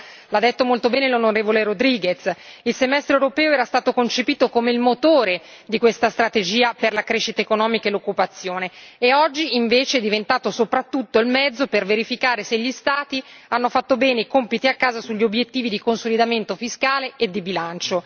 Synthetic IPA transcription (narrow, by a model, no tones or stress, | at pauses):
lad̪ːet̪ːomolt̪obɛːnelonoɾeːvoleɾod̪ɾiːɡet̪silsemɛst̪ɾewɾopɛːoɛːɾast̪aːt̪okont͡ʃepiːt̪okomeilmot̪oːɾe | d̪ikwest̪ast̪ɾat̪ed͡ʒiːaperlakɾeʃːit̪aekonɔːmikaelokːupat̪sːjoːneːɔd͡ʒːiiɱveːt͡ʃeɛd̪ivent̪aːt̪osopɾat̪ːut̪ːoilmɛd̪zːoperveɾifikaːɾeseʎːist̪aːt̪ianːofat̪ːobɛːneikompit̪iakːaːzasuʎːiobjet̪ːiːvid̪ikonsolid̪ament̪ofiskaːleed̪ːibilant͡ʃo